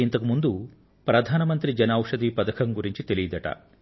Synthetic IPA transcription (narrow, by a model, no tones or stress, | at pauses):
int̪ɐkumund̪u | pɾɐd̪ʱaːnɐmɐnt̪ɾid͡ʒɐnaːwʂɐd̪ipɐd̪ɐkʰɐŋɡuɾiɲt͡ʃit̪elijid̪ɐʈɐ̰